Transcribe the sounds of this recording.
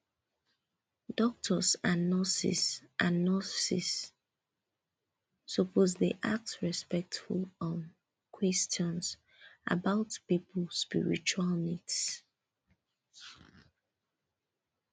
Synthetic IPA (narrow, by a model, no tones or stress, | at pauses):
d̥ɔk̚tʰɔsãnːɔsḭsʔãnːɔsḭs | ɔpʰozdeʔa̰k̚tɹɛspɛk̚tfṵlɔ̃n | kʰwɛst͡ʃɔ̃ns | ʔa̰baʊtpipl̩spḭɹḭt͡ʃualˠmids